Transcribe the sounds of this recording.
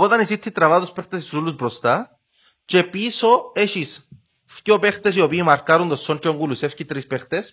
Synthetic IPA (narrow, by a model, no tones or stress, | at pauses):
pot̪anisit̪ʰːit̪ɾavat̪uspext̪esisulusbɾost̪a | t͡ʃepisoeʃis | fcopeχt̪es̬iopiːmaɾkaɾund̪osːont͡ʃoŋɡulusefcit̪ɾispext̪es